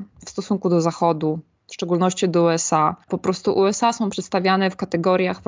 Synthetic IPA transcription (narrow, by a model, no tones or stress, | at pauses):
fst̪ɔsuŋkud̪ɔzaxɔd̪u | fʂt͡ʂɛɡulnɔɕt͡ɕid̪ɔuɛsapɔpɾɔst̪uʔuɛsasɔ̃w̃pʂɛt̪st̪avʲjanɛfkat̪ɛɡɔɾʲjax